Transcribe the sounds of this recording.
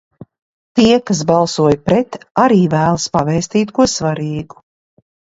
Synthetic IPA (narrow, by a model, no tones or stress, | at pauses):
t̪iɛkas̬balˠsuɔjpɾɛt̪aɾiːvæːlˠspavɛːsʲt̪iːt̪kuɔsvaɾiːɡu̥